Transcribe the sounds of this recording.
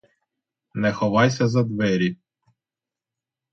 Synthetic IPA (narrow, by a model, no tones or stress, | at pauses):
nɛxɔʋɑjsʲɐzɐd̪ʋɛɾʲi